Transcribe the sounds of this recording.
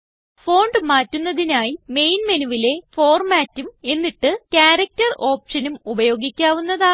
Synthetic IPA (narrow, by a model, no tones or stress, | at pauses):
fo̞ːɳɖɨmaːtːunːɐðinaːjime̞jnmenuʋile̞fo̞ːrmaːtːume̞nːiʈːɨkaːɾɐk̚tɐro̞ːpʂɐnumubɐjo̞ːɡikʲːaːʋunːɐðaː